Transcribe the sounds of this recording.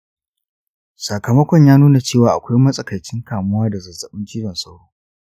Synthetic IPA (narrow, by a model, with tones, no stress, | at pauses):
saː˨kɐ˨mɐ˦kʷɔ˨ɲjaː˦nuː˦na˨t͡ʃeː˦˨waː˨ʔa̰˨kʷa˦jmɐ˦sʼɐ˨kɐ˨jt͡ʃɪ˦ŋkaː˨mʊ˦waː˦da˨zɐ˨zɐ˨ɓɪ˦nt͡ʃi˦ɽɐ˨nsɐ˦wɽoː˦